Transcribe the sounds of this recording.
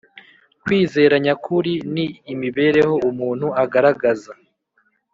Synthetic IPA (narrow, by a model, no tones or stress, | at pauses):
kwiːze̞ːɾaɲakʰuɾiniːmiβe̞ːɾe̞ho̞umuːn̥huaɡaɾaɡaza